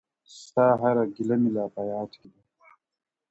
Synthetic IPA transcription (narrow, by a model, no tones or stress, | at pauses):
saːɦaɾaɡilɐmilaːpajaːtkid̪a